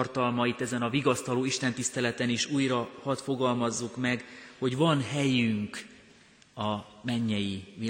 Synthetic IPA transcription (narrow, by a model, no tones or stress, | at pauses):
rt̪ɒlmɒit̪ɛzɛnɒviɡɒst̪ɒloːiʃt̪ɛnt̪ist̪ɛlɛt̪ɛniʃuːjrɒhɒt̪fo̞ɡɒlmɒzːukmɛɡho̞ɟʋvɒnɦɛjyŋk | ɒmɛɲːɛjivi